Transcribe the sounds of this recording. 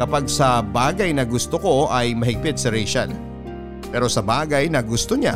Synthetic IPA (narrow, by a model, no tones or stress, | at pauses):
kɐpaɡ̚sɐbaːɡɐjnɐɡʊst̪oko̞ʔɐjmɐɦɪɡ̚pɪt̪̚sɐɾɛjʃa̰l | pɛːɾo̞sɐbaːɡɐjnɐɡʊst̪o̞ɲa